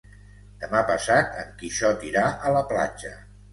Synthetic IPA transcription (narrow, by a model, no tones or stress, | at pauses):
d̪̥əmapəsat̪əŋkiʃɔt̪iɾaʔələpla̰d͡ʒə